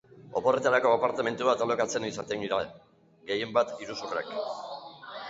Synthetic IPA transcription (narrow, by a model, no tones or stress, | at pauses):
o̞po̞re̞t̪aɾako̞apaɾt̪ame̞nt̪uβat̪alo̞kat͡se̞nisat̪eŋɡiɾa | ɡe̞je̞mbat̪iɾusurḛk